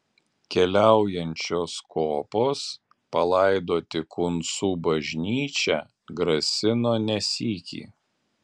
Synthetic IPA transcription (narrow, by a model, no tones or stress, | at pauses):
kʲɛlʲæˑʊjɛnʲt͡ʃʲoːskoːpoːs | pɐlˠɐɪd̪oːt̪ʲɪkʰʊnsuːbɐʒʲnʲiːt͡ʃʲæ | ɡɾɐsʲɪnoːnʲɛsʲiːkʲḭː